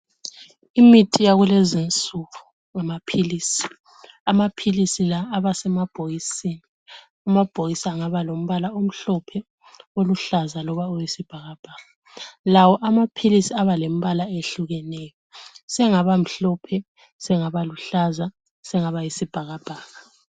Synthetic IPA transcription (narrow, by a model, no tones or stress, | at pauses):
imitʰʼijaɣulɛzint͡sʼuɣu | ŋamapʰilisi̥ | amapʰilisilaːβasɛmab̥ʱojisiːni | umab̥ʱoɣisaŋaβalom̩βalaom̩ɬɔpʰɛ | oluɬazalɔβaujisib̥ʱaɣab̥ʱaːɣa | lawɔʔamapʰilisiaβalem̩βalaeɬuɣɛnɛjɔsɛŋaβam̩ɬɔpʰɛ | sɛŋaβaluɬaza | sɛŋaβajisib̥ʱaɣab̥ʱaːɣa